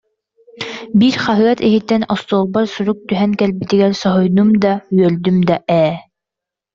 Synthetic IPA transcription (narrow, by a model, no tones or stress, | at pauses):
biɾχɑɦɯɑt̪iɦit̪ːɛnɔst̪oːlˠbɑɾsuɾuk̚t̪yɦɛŋkɛlbit̪iɡɛɾsɔɦɔjnumd̪ɑyœld̪ymd̪ɑʔɛː